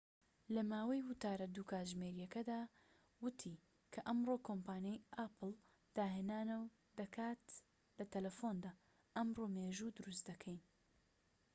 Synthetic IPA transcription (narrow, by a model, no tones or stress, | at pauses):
lɐmaːwɐjwʊt̪aːɾɐd̪uːkʰaːʒmeɾijɐkɐd̪aː | wɨt̪ʰi | kʰɐʔɐmroːkʰompaːnjejʔapɨl | d̪̥aːɦenaːnɐw | d̪ɐkʰaːt̪ | lɐt̪ʰɐlɐfoːnd̪aː | ɐmroːmeːʒud̪ʊɾust̪d̪ɐkʰɐjn